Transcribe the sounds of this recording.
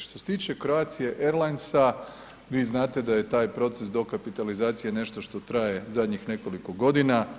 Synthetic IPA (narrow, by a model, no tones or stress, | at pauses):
ʃt̪o̞set̪iːt͡ʃe̞kɾoaːt̪sije̞ʔeɾlˠajnsa | ʋiːznaːt̪e̞d̪aje̞t̪aːjpɾo̞t̪se̞sd̪o̞kapit̪alizaːt̪sijene̞ʃt̪o̞ʃt̪o̞t̪ɾaje̞zad̪ɲixne̞ko̞liko̞ɡo̞d̪ina